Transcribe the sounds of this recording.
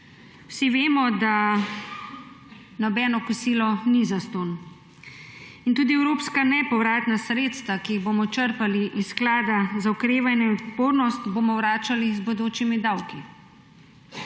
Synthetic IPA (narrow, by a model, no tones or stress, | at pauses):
wsiʋeːmɔd̪a | nɔbɛːnɔkusiːlɔnizast̪on | int̪uːd̪iɛwɾoːpskanɛpɔwɾaːt̪nasɾeːt̪st̪ʋakijiɣboːmɔt͡ʃəɾpaliʔisːklaːd̪azaɔkɾeːʋajnɛɔd̪poːɾnɔst̪bomɔwɾaːt͡ʃalizbɔd̪oːt͡ʃimid̪awki